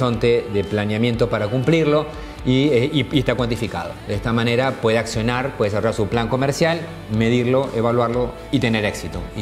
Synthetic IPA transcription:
so̞nt̪eðeplanjamjent̪opaɾakumpliɾlo̞ | iiest̪akwant̪ifika̰ðo̰d̪est̪amãne̞ɾapwe̞ðeaksjo̞naɾpweðs̬arojaɾsuplaŋko̞meɾsjal | me̞ðiɾlo̞ʔeβalwaɾlo̞ | it̪e̞ne̞ɾe̞ksit̪o

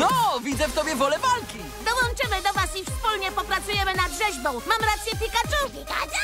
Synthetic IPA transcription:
nɔvʲid̪zɛft̪ɔbʲjɛvɔlɛvalkʲi | d̪ɔwɔnt͡ʂɘmɘd̪ɔvasifspulɲɛpɔpɾat̪sujɛmɘnad̪ɡʐɛʑbɔ̃w̃mamɾat̪sʲjɛpʲikat͡ʂuika̰

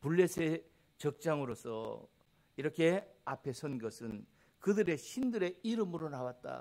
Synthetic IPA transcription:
puɭːesʰe | t͡ɕʌk̚t͡ɕ͈aŋɯɾosʰʌ̰ | iɾʌkʰe̞apʰe̞sʰʌnɡʌsʰɯn | kɯdɯɾe̞ɕʰindɯɾe̞iɾɯmɯɾonawat̚t͈a̰

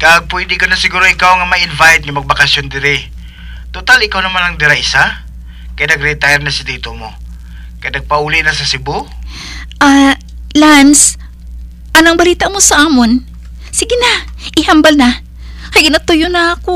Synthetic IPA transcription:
kaɡ̚pwɛd̪ɪkonɐsɪɡuːɾoʔɪkawŋɐmɐʔɪnvajt̪̚ŋɐmɐɡ̚bɐkɐsjond̪ɪɾɪ | t̪ot̪alɪkawnɐmanʔɐŋd̪ɪɾaʔɪsa | kɐjanɐɡɾɛt̪ajɾnɐsɪd̪it̪omo | kɐjanɐɡ̚pɐʔuːlɪnɐsɐsɪbo | ʔa | lans | ʔɐnɐŋbɐliːt̪aʔmosɐʔaːmon | sɪɡɪnaʔɪhambɐlna | kɐjɡɪnat̪ʊjʊnɐɐko

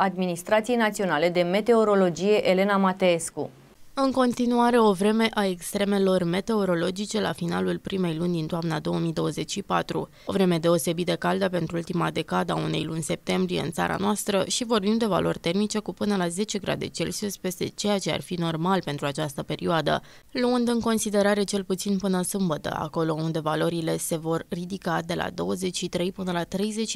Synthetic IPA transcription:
ad̪minist̪ɾat̪sijejnat̪sio̞nale̞d̪e̞me̞t̪e̞o̞ɾo̞lo̞d͡ʒije̞ʔele̞namat̪eeskṵ | ɨŋko̞nt̪inuaɾe̞o̞vɾe̞me̞ʔae̞kst̪ɾe̞me̞lo̞rme̞t̪e̞o̞ɾo̞lo̞d͡ʒit͡ʃe̞la̰finalulpɾime̞jlunʲd̪int̪oamnad̪o̞əmid̪o̞wəze̞t͡ʃʲʃipat̪ɾṵ | o̞vɾe̞me̞d̪e̞o̞se̞bit̪̚d̪e̞kald̪ape̞nt̪ɾuult̪imad̪e̞kad̪əaune̞̰jlunʲse̞p̚t̪e̞mbɾije̞̰ɨ̰nt̪sa̰ɾa̰noast̪ɾəʃivo̞rbimd̪e̞va̰lʔo̞rʲt̪e̞rmit͡ʃe̞kupɨnəlaze̞t͡ʃe̞ɡɾa̰d̪e̞̰t͡ʃe̞̰lsusʲpe̞st̪e̞t͡ʃe̞jat͡ʃe̞a̰rfino̞rmalpe̞nt̪ɾuat͡ʃast̪əpe̞ɾioad̪ə̰ | luɨnd̪ɨŋko̞nsid̪e̞ɾaɾe̞t͡ʃe̞lput̪sinpɨnəsɨmbət̪ə̰a̰ko̞lo̞und̪e̞valo̞ɾile̞se̞vo̞rːid̪ikad̪e̞la̰d̪o̞wəze̞t͡ʃʲʃit̪ɾe̞jpɨnəlat̪ɾe̞jze̞t͡ʃ

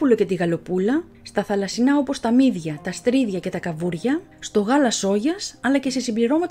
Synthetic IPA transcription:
ulo̞ce̞t̪iɣɐlo̞pulɐ | st̪ɐθɐlɐsinɐo̞po̞st̪ɐmiðʝɐt̪ɐst̪ɾiðʝɐce̞t̪ɐkɐvuɾʝɐ | st̪o̞ɣɐlɐso̞ʝɐsɐlɐce̞se̞simbliɾo̞mɐt̪

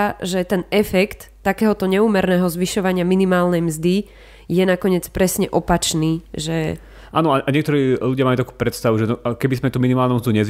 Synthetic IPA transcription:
ʒɛt̪ɛnɛfɛkt̪ːakɛːɦɔt̪ɔɲɛuːmɛɾnɛːɦɔzʋiʃɔʋaɲɪaminimaːlnɛjmzd̪i | jɛnakɔɲɪɛt͡spɾɛsɲɛʔɔpat͡ʃniːʒɛ | ʔaːnɔaʔaɲɪɛkt̪ɔɾiːluɟɪamajut̪aku̥ːpɾɛt̪st̪aʋuʒɛnɔkɛbizmɛt̪uːminimaːlnumzd̪uɲɛz

